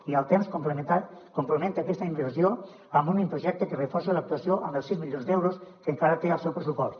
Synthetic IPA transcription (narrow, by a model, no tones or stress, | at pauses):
ialt̪emskoplekompɾomẽnt̪eakest̪aimbeɾsjo | ambunimpɾoʒɛk̚t̪ekerefɔɾselak̚t̪uasjoʔamelsizmiʎonzd̪ɛwɾoskeŋkaɾat̪ealˠsewpɾesupɔst̪